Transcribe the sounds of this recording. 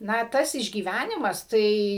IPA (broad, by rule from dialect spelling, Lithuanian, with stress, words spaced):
ˈnɐ ˈtɐs ɪʒʲɡʲiːˈʋʲænʲɪmɐs ˈtɐɪ